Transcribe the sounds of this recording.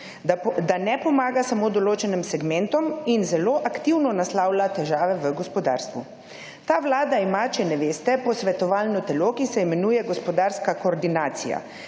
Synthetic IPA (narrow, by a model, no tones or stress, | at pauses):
d̪anɛpɔmaːɡasamoːd̪ɔloːt͡ʃɛnimsɛɡmɛnt̪ɔminzɛloːʔakt̪iwnɔnaslawlat̪ɛʒaːʋɛʋəɡɔspɔd̪a̰ːɾst̪ʋu | t̪aːʋlaːd̪aimat͡ʃɛnɛʋeːst̪ɛpɔsʋɛt̪ɔʋaːlnɔt̪ɛlokisɛimɛnujɛɡɔspɔd̪aɾskakoːɾd̪inaːt̪sija̰